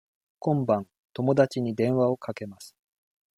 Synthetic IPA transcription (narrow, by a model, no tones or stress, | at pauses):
kõ̞mbãn | t̪o̞mo̞d̪at͡ɕiɲ̟id̪ẽ̞ɰ̃βao̞kake̞masɨ̥